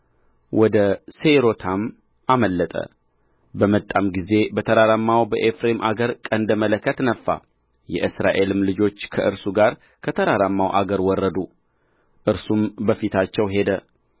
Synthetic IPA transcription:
wɔd̪əseɾot̪ʰam | aməlːət̪ʼə̰ | bəmət̪ʼːamɡize̞bət̪ʰəɾaɾamːawbəʔefɾemʔaɡəɾkʼənd̪əmələkʰːət̪nəfːa̰ | jɛ̰ʔɨsɾaʔe̞lɨmlɨd͡ʒo̞t͡ʃːkʰəʔɨɾsuɡaɾ | kʰət̪ʰəɾaɾamːawʔaɡəɾwɔrːəd̪u | ʔɨɾsumbəfit̪ʰat͡ʃːɛwɦe̞d̪ə

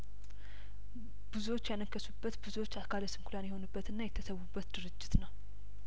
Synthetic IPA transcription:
bɨzuwo̞t͡ʃːjanəkʰːəsubːət̪bɨzuwo̞t͡ʃːakʰaləsɨmkʰulanjɛho̞nubːət̪ɨnːajɛt̪ʰːəsəwubːət̪d̪ɨɾɨd͡ʒːɪt̪nəw

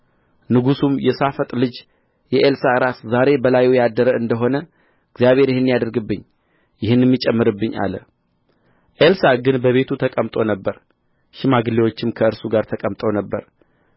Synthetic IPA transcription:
nɨɡusumjɛsafət̪ʼlɨd͡ʒ | jɛʔelsaɨɾaszaɾe̞bəlajujad̪ːəɾəɨnd̪əɦo̞nə | ɨɡzjaβhe̞ɾjɪhɨnːijad̪əɾɡɨbːɨɲː | jɪhɨnːɛmːit͡ʃʼɛmːɨɾɨbːɨɲːʔa̰lə̰ | ʔelsaɡɨnbəβe̞t̪ʰut̪ʰəkʼəmt̪ʼo̞nəbːəɾ | ʃɪmaɡɨlewo̞t͡ʃːɪmkʰəɨɾsuɡaɾt̪ʰəkʼəmt̪ʼəwnəbːə̰ɾ

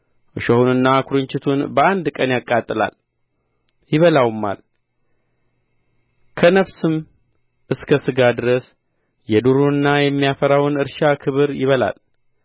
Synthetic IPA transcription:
ʔɨʃohunɨnːakʰuɾɨɲt͡ʃɪt̪ʰunbəand̪kʼənjakʼːat̪ʼːɨla̰l | jɪβəlawmːa̰l | kʰənəβsɨm | ʔɨskʰəsɨɡad̪ɨɾəs | jɛd̪uɾuɨnːajɛmːijafəɾawnɨɾʃakʰɨβɨɾjɪβəla̰l

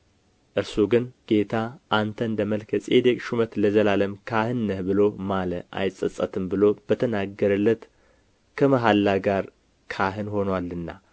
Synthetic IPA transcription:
ʔɨɾsuɡɨnɡ̥e̞t̪ʰaʔant̪ʰənd̪əməlkʰəsʼed̪əkʼʃumət̪ləzəlaləmkʰahɨnːəhbɨlo̞maləʔa̰jsʼəsʼət̪ʰɨmbɨlo̞b̥ət̪ʰənaɡəɾɨlːət̪ | kʰəməɦalːaɡaɾ | kʰaɦɨnho̞nwalːɨnːa̰

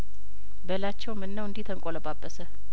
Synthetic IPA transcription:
bəlat͡ʃːɛwmɨnːəwɨnd̪iht̪ʰəŋkʼoləbabːəsə

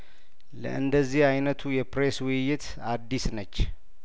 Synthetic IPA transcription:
lə̰ʔɨnd̪əzːihajnət̪ʰujɛpɾeswɨjːɪt̪ | ad̪ːisnət͡ʃː

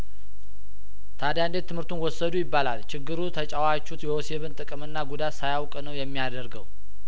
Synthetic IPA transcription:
t̪ʰad̪jand̪e̞t̪ʰːɨmhɨɾt̪ʰunwɔsːəd̪ujɪbːalalt͡ʃʰɪɡːɨɾut̪ʰət͡ʃʼawat͡ʃːut̪jɛose̞βɨnt̪ʼɨkʼɨmɨnːaɡud̪at̪sajawkʼnəwjɛmːijad̪əɾɡəw

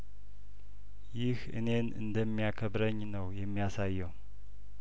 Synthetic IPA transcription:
jɪhɨ̰ne̞nɨ̰nd̪əmːijakʰəbɾəɲːnəwjɛmːijasajːɛwu

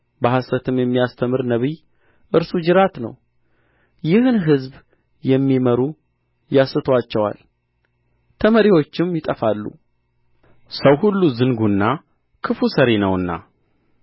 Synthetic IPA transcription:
bəhasət̪ʰɨmjɛmːijast̪ʰəmɨɾnəβij | ʔɨɾsud͡ʒɨɾat̪nə̰w | jɪhɨnɦɨzb | jɛmːiməɾu | jasɨt̪ʰwat͡ʃːɛwa̰l | t̪ʰəməɾiwo̞t͡ʃːɪmjɪt̪ʼəfalːṵ | səwhulːuzɨŋɡunːa | kʰɨfusəɾenəwɨnːa̰

